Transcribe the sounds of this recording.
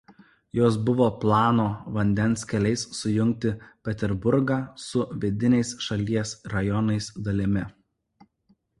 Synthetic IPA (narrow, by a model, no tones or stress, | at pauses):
joːsbʊʋoːplˠɑːnoːʋɐnʲd̪ʲɛnˑskʲɛlʲɛɪsːʊjʊŋʲk̚t̪ʲɪpʲɛt̪ʲɛɾbʊɾɡɑːsʊʋʲɪd̪ʲɪnʲɛɪsʃɐlʲiɛsɾɐjɔnɐɪsd̪ɐlʲɪmʲɪ